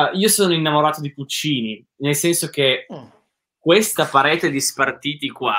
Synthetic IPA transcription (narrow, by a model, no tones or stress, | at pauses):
iːosoːnoinːamoɾaːt̪od̪iput͡ʃːiːni | nelsɛnsok̟e | k̚west̪apaɾɛːt̪ed̪ispart̪iːt̪ikwa